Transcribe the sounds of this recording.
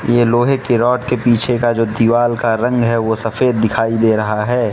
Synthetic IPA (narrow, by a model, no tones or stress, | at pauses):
jeloːɦekeɾɔːʈkepiːt͡ʃʰekad͡ʒoːd̪iʋaːlkaɾɐ̃ŋɡɦɛʋosɐfeːd̪̚ːɪkʰaːid̪eːɾɐɦaɦɛː